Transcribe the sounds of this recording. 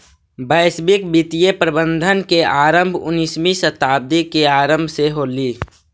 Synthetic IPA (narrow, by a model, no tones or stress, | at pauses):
bəɪsbɪk̚bit̪ijepɾəbə̃nd̪ʱənkeaːɾəmbʱʊ̰nismisət̪aːb̚d̪ikeaːɾəmbʱseɦoːliː